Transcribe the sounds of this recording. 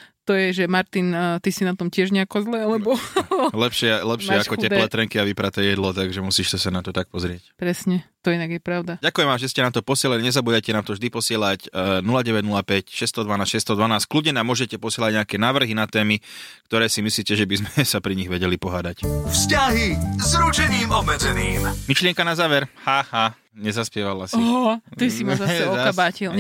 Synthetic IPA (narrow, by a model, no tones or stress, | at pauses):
t̪ɔjɛʒɛmaɾt̪int̪isinat̪ɔmcɪɛʒɲɛakɔzlɛːalɛbɔlɛpʃɪɛlɛpʃɪɛakɔɛlɛt̪ɾɛŋkiaʋipɾat̪ɛːjɛd̪lɔt̪aɡʒɛmusiːʃsasanat̪ɔt̪ak̚pɔzɾɪɛcpɾɛsɲɛt̪ɔinaɡjɛpɾaʊd̪aɟakujɛmamʒɛscɛnamt̪ɔpɔsɪɛlaliɲɛzabuːd̪ajcɛnaːmt̪ɔvʒd̪ipɔsɪɛlacnulaɟɛʋɛɟnulapɛcʃɛst̪ɔd̪ʋanaːsʃɛst̪ɔd̪ʋanaːsckluɟɲɛnamʊɔʒɛcɛpɔsɪɛlaɟ̚ɲɛakɛːnaːʋr̩ɦinat̪ɛːmikt̪ɔɾɛːsimisliːcɛʒɛbizmɛsapɾiɲiɣʋɛɟɛlipɔɦaːd̪acfscaɦizɾut͡ʃɛɲiːmɔbmɛd͡zɛniːmmiʃlɪɛŋkanazaːʋɛɾhaːhaː | ɲɛzaspɪɛʋalasiɦ̪isimazasɛɔaabaːcil